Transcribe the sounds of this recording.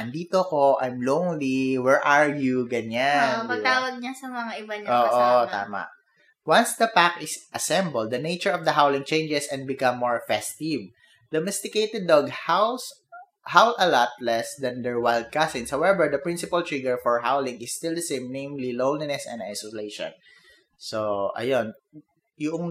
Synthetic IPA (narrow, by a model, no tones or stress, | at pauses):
ɐnd̪iːt̪okoʔajmlõwnliwɛɹʔaɹjuɡɐɲanpɐɡ̚t̪aːwɐɡ̚ɲasɐmɐŋaʔɪbaɲoːʔott̪a̰ːma̰ʔ | wãnsd̪ɐpak̚ɪsʔɐsɛ̃mbɐld̪ːɐnejt͡ʃəɹɔvd̪ɐɦawlɪ̃ŋt͡ʃẽjnd͡ʒɛsɛ̃nbɪkɐ̃mːoɹfɛst̪ɪv | d̪ɐmɛst̪ɪkejt̪ɛd̪̚ːɔɡhaws | hawlɐlɔt̪̚lɛsd̪ɐ̃nd̪ɛɹwajld̪̚kasɪ̃nshawɛbɛɹd̪ɐpɹɪ̃nsɪpɐlt̪ɹɪɡɛɹfɔɹɦa̰wlɪ̃ŋɪsːt̪ɪld̪ɐsẽjmnẽjmlilõwnlinɛsɛ̰̃na̰jsolejʃɔ̰̃n | soʔɐ̰jon | jʊʔoŋ